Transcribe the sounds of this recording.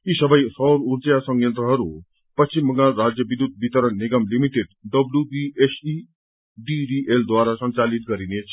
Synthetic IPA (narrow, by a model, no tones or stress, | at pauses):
isʌbʌjsʌwɾuɾd͡zjasʌŋɡjʌnt̪ɾʌɦʌɾu | pʌst͡ʃimbʌŋaɾad͡zjʌbid̪jud̪̚bit̪ʌɾʌnniɡʌmlimiʈeɖɖʌblubiesʰi | ɖiɖiʔeld̪waɾasʌnt͡salit̪̚ɡʌɾinet͡sʰ